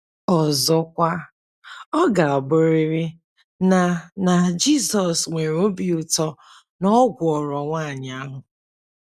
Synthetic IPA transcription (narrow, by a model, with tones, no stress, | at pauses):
ɔ˨zɔ˦kʷa˦ | ɔ˦ɡa˨ɔ˨bʊ˦ɾɪ˦ɾɪ˦ | na˨na˨d͡ʒi˦sɔ˨sŋʷe˨ɾo˦bi˨ʊ˨tɔ˦ | nɔ˦ɡʷʊ˨ɔ˨ɾɔ˨ŋʷa˦˨ɲ˨a˦ɦʊ˨